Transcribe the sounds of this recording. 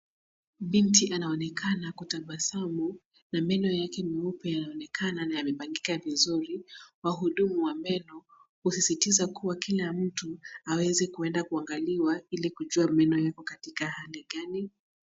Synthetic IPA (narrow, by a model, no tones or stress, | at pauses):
ɓintiʔanaɔnɛkʰanakutaɓasamu | namɛnɔjakɛmiupɛjanaɔnɛkʰananajamɛpaŋɡikavizuɾiwaɦuɗumuwamɛnɔ | husisitizakuwakilam̩tuawɛzɛkuɛndakuaŋɡaliwailikuʄuamɛnɔjakɔkatikahaliɠani